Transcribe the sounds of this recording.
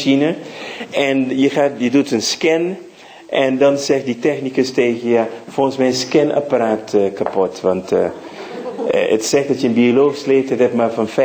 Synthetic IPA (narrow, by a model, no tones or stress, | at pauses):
inə | ɛnjəχaːjədutənskɛn | ʔɛndɑnzɛχtditɛχnikəsteːɣəjaːfolˠxənsmɛjnskɛnʔa̰paɾaːtəkapɔtʋɑntː | ə̰tsɛχdɑtjəənbioloːχsleːfthətɛtmaːrfɑnfɛ